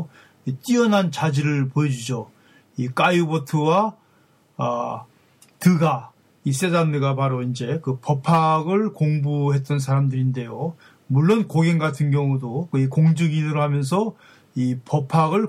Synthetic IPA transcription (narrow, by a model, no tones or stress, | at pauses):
it͈iʌnɦant͡ɕad͡ʑiɾɯɭpoed͡ʑud͡ʑo | ik͈ajubʌtʰɯwa | tɯɡa | is͈e̞danːɯɡapaɾoind͡ʑe̞kɯpʌpʰaɡɯɭkoŋbuɦe̞t̚t͈ʌnsʰaɾamdɯɾinde̞jo | muɭːonkoɡeŋɡatʰɯnɡjʌŋudokɯikoŋd͡ʑɯɡinɯɾohamjʌnsʰʌ | ipʌpʰaɡɯɭ